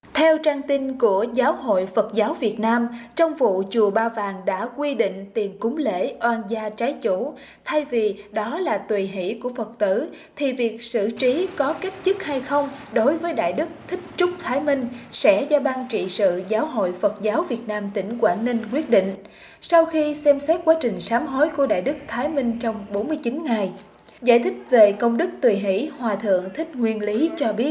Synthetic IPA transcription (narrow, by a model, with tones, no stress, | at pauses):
t̪ʰɛ˧wt͡ɕaː˧ŋt̪i˧nku˧˩əzaː˨˦wɦo̰˧˨jfə˨˩t̚zaː˨˦wvi˨˩ət̚naː˧mt͡ɕɔ˧wŋ͡mvṵ˧˨t͡ɕu˨˩əɓaː˧vaː˨˩ŋɗa̰ː˧˥kwi˧ɗḭ̈˧˨ŋ̟t̪i˨˩ənkʊ˨˦ŋ͡mlḛ˧˥ʔwaː˧nzaː˧t͡ɕaː˨˦jt͡ɕu˧˩˨ | t̪ʰa˧jvi˨˩ɗɔ˨˦laː˨˩t̪wi˨˩ɦḭ˧˥ku˧˩əfə˨˩t̚t̪ɨ̰˧˩ | t̪ʰi˨˩vi˨˩ək̚sɨ̰˧˨t͡ɕi˨˦kɔ˨˦ka˦˥jk̟̚zɨ˦˥k̚ha˧jxə˧wŋ͡mɗo˨˦jvəː˨˦jɗa̰ː˧˨jɗɨ˦˥k̚t̪ʰï˦˥k̟̚t͡ɕʊ˦˥k͡p̚t̪ʰaː˨˦jmï˧ŋ̟sɛ̰˧˥zɔ˧ɓaː˧nt͡ɕḭ˧˨sɨ̰˧˨zaː˨˦wɦo̰˧˨jfə˨˩t̚zaː˨˦wvi˨˩ət̚naː˧mt̪ï˧˩ŋ̟kwaː˧˩nːi˧nk̬wi˦˥ət̚ɗḭ˧˨ŋ̟ | sa˧wxi˧sɛ˧msɛ˦˥t̚kwaː˨˦t͡ɕï˨˩ŋ̟saː˨˦mɦo˨˦jku˧˩əɗa̰ː˧˨jɗɨ˦˥k̚t̪ʰaː˨˦jmï˧ŋ̟t͡ɕɔ˧wŋ͡mɓo˨˦nmɨ˧əjt͡ɕi˨˦nŋa˨˩j | za̰ː˧˨jt̪ʰï˦˥k̟̚ve˨˩kə˧wŋ͡mɗɨ˦˥k̚t̪wi˨˩ɦḭ˧˩˥hwaː˨˩t̪ʰɨ̰˧˨əŋt̪ʰï˦˥k̟̚ŋwi˧ənli˨˦t͡ɕɔ˧ɓi˦˥ət̚